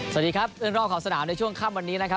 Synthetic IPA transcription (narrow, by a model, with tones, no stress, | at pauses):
sa˩diː˨˧kʰɾa˦˥p̚lɯː˥˩nɾɔː˥˩pkʰaː˨˩˦wsa˧naː˩˦mna˧jt͡ɕʰu˥˩əŋkʰaː˥˩mwa˧nːiː˦˥na˦˥kʰa˦˥